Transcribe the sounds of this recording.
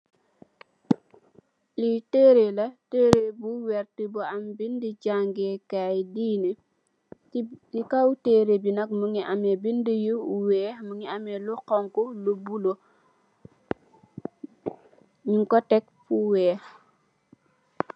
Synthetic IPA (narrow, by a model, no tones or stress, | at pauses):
liteːɾelateːɾebuwɛɾtibɔambindid͡ʒaŋɡekajdiːne | likawteːɾebinak̚muŋiʔamebindijuuwɛːmuŋiamɛlukɔŋkulubulo | ɲiŋkɔtɛk̚puwɛː